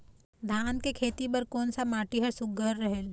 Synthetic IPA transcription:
d̪ʱankekʰet̪ibəɾkonsamaʈiɦəsuɡəɾːəɦel

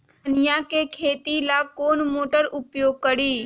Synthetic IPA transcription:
njakekʰeːt̪ilakoːnmoːʈəɾʊpjoːɡ̚kəɾiː

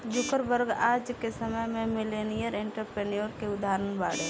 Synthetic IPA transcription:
d͡ʒʊkəɾbəɾɡaːd͡ʒkesəməjmẽmɪleːnijəɾɪɳʈəɾpɾeːnijoɾkeʊd̪aːɾənbaːɽe

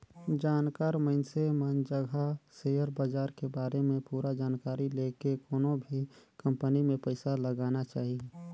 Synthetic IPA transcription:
d͡ʒaːnkaːɾməɪnsemənd͡ʒəɡʱaseːjəɾbad͡ʒaːɾkebaːɾemẽpuːɾad͡ʒaːnkaːɾileːkekoːnõbʱikɐ̃mpənimẽpəɪsaləɡaːnat͡ʃaːɦie

